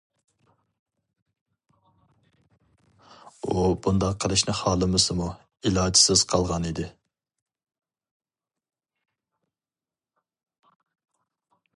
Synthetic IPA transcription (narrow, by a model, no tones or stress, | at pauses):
ubund̪ɑqʰːəlˠɨʃnɪχɑːlˠɨmɨsɨmu | ilˠɑːd͡ʒi̥sɪz̥qʰɑlˠʁɑnid̪ɪ